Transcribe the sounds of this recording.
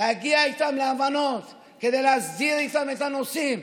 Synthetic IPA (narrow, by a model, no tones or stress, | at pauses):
aɡiajt̪amleavanot̪ | keðelasziɾit̪amet̪anosim